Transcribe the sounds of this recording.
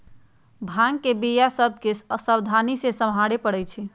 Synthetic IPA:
bʱãŋɡkebijasəb̚ʱkesəbd̪ʱanisesəmɦaɽepəɽɛt͡ʃʰi

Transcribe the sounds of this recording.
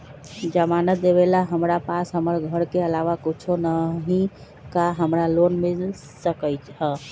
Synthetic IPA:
d͡ʒəmanət̪̚d̪eβelaɦəmɾapasɦəməɾɡʱəɾkeəlaʋakit͡ʃʰonəɦĩ | kaɦəmɾalonmil | səkəjt͡ʃɦə

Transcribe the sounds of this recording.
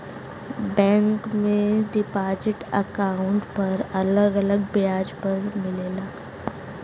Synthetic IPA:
bɛ̃ːŋkmẽɖɪpaːd͡ʒɪʈɐkaːʊ̃ɳʈpɐɾɐləɡɐləɡ̚bɪjaːd͡ʒpɐɾmɪleːlaː

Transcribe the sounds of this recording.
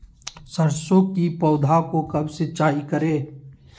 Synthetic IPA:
sɐɾsõkipɔːd̪ʱakokɐbset͡ʃaːikəɾeː

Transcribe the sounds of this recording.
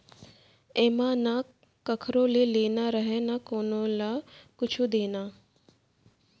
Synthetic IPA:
eːmãna | kəkʰɾõːleleːnaɾəɦenakoːnõlakʊt͡ʃʰud̪eːna

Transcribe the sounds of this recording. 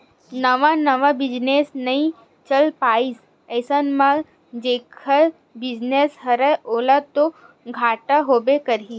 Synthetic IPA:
nəʋanəʋabɪd͡ʒnesnəĩ | t͡ʃəlpaːis | əːsənmã | d͡ʒeːkʰa | bɪd͡ʒnesɦəɾəoːlat̪o | ɡʱaːʈaɦoːbekəɾi

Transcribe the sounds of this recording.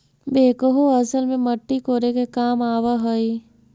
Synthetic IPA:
beːkəɦoɐsəlmẽməʈːikoːɾekekaːmaːʋaɦoi

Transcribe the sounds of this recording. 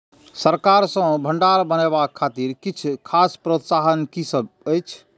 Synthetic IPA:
səɾkaɾsə̃bʱəɳɖaɾbənɛβakʰːat̪iɾkit͡ʃʰkʰaspɾot̪saɦənkisəbəjt͡ʃʰ

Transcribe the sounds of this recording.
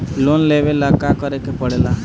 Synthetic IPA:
lonlebelakakəɾekepəɽela

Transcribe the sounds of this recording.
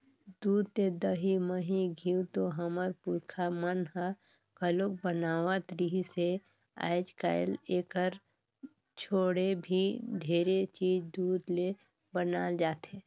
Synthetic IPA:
d̪uːd̪̚t̪ed̪əɦiməɦiɡʱiːut̪oɦəməɾpuːɾkʰamənɦa | kəlok̚bənaːwat̪əɾiɦise | a̰ːɪd͡ʒka̰ːɪleːkəɾ | t͡ʃʰoːɽebʱid̪ʱeːɾet͡ʃiːd͡ʒd̪uːd̪le | bənaːld͡ʒaːt̪ɦeː

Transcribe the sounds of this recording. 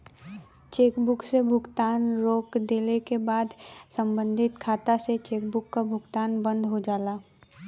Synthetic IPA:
t͡ʃeːkbʊksebʱʊɡt̪aːnɾoːkd̪eːlekebaːd̪sə̃mbə̃nd̪ʱɪt̪kʰaːt̪aset͡ʃeːkbʊkːabʱʊɡt̪aːnbə̃nd̪ʱɦod͡ʒaːlaː

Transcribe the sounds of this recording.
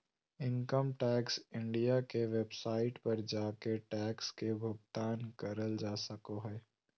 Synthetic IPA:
ɪ̃ŋkəmʈɛːksɪ̃ɳɖijakeʋebsaːɪʈpɐɾd͡ʒaːkeʈɛːkskebʱʊɡt̪aːnkɐɾəld͡ʒaːsəkoɦɛː

